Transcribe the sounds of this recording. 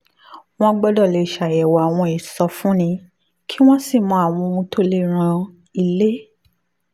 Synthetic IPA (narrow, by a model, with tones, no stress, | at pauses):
w̃ɔ̃˦ɡ͡bɔ˧dɔ˦˨le˧˨ʃa˨jɛ˨wa˨a˨w̃ɔ̃˧i˨sɔ˧fũ˦nĩ˧ | kʰi˦w̃ɔ̃˦si˦˨mɔ̃˨˧˦a˨w̃ɔ̃˧ũ˧tʰo˦le˧ɾ̃ã˧ | i˨le˦